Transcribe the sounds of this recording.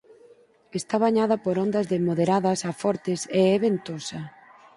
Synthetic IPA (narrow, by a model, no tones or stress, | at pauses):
est̪aβaɲaðɐpoɾɔnd̪ɐzðemoðeɾaðɐsafɔɾt̪ɪseɛβent̪osɐ